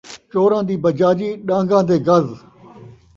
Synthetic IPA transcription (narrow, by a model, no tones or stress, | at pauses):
t͡ʃoːɾãːd̪iːbəd͡ʒaːd͡ʒiːɗãːŋɡãːd̪eːɡəz